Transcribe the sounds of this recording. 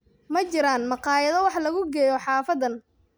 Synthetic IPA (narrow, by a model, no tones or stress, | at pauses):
mɐt͡ʃɪɾaːnmɑqɑːjɐðɐwɑħlɐɣʊɡɛːjɔħɑːfɐd̪ɐn